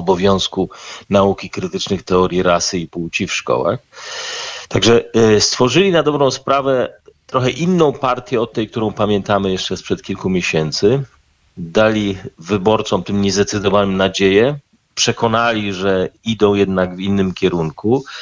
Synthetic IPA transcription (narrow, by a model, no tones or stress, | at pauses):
ɔbɔvʲjɔ̃w̃skunaukʲikɾɘt̪ɘt͡ʂnɘxt̪ɛɔɾʲjiɾasɘipuwt͡ɕifʂkɔ̰wa̰x | t̪aɡʐɛst̪fɔʐɘlʲinad̪ɔbɾɔ̃w̃spɾavɛt̪ɾɔxɛʔinːɔ̃w̃paɾt̪ʲjɛɔt̪ːɛjkt̪uɾɔ̃w̃pamʲjɛnt̪amɘjɛʂt͡ʂɛspʂɛt̪̚kʲilkumʲjeɕɛnt̪sɘ | d̪alʲivɘbɔɾt̪sɔmt̪ɘmɲɛzd̪ɛt̪sɘd̪ɔvanɘmnad͡ʑejɛ | pʂɛkɔnalʲiʐɛid̪ɔ̃w̃jɛd̪naɡvinːɘmkʲɛɾuŋku